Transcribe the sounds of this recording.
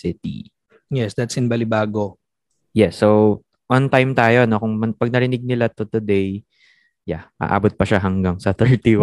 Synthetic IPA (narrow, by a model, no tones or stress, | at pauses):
sɪt̪ḭ | jɛsd̪ɐt̪sɪnbɐlɪbaːɡo | jɛsːow | want̪ajmt̪aːjo̞no̞kʊŋmɐpɐɡ̚nɐɾɪnɪɡ̚nɪlat̪ʊt̪ʊd̪ej | jaʔa̰ːʔa̰ːbot̪̚pɐʃaɦɐŋɡaŋsɐθɛɹt̪iw